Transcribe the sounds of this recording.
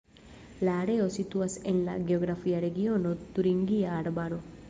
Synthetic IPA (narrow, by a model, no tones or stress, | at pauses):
laːɖeosit̪uaselːa̰ɡeoɡɾafijaɾeɡijonot̪uɾiŋɡijaːɽbaɾu